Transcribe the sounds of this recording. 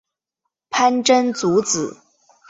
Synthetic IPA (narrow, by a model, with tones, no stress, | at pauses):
pʰa˥nʈ͡ʂə˥nt͡su˧˥t͡sɹ̩˨˩˦